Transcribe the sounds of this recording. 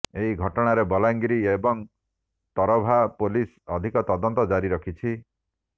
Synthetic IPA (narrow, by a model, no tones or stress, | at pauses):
eɦiɡʱɔʈɔɽ̃aɾebɔlaŋɡɾiebɔŋ | t̪ɔɾɔbʱapolis | ɔd̪ʱikɔt̪ɔd̪ɔnt̪ɔd͡ʒaɾiɾɔkʰit͡ʃʰi